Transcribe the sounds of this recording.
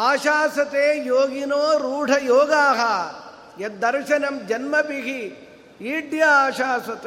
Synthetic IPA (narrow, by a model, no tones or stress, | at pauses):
aːʃaːsɐt̪eːjoːɡinoːɾuːʈʰɐjoːɡaːɦɐ | jɐd̪ɐɾʃɐnɐmd͡ʒɐnmɐpiɦi | iːɖjɐːʃaːsɐt̪ː